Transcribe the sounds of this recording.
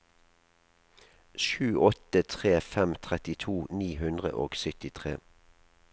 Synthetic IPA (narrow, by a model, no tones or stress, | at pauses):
ʃʉːʔɔt̪ət̪ʰʁeːfɛmt̪ʰʁɛt̪ɪt̪ʰuːniːhʉnd̪ʁə̰ʔo̰ːɡsʏt̪ɪt̪ʰʁeː